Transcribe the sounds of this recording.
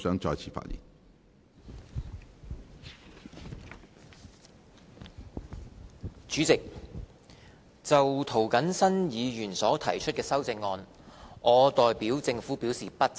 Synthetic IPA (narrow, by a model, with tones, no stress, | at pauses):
sœː˨˥ŋt͡ʃɔː˧jt͡sʰiː˨fa̰ː˧t̚jḭː˨˩n | t͡ʃyː˨˥t͡sɪ˨k̚ | t͡sɐ˨wt̪ʰo˨˩wkɐ˨˥nsɐ˥njiː˨˧jyː˨˩nsɔː˨˥t̪ʰɐ˨˩jt͡ʃʰɵ˥t̚kɛː˧sɐ˥wt͡sɪ˧ŋːɔː˧n | ʔɔː˨˧t̪ɔː˨jpiː˨˥wt͡sɪ˧ŋfuː˨˥pi˨˥wsiː˨pɐ˥t̚t͡s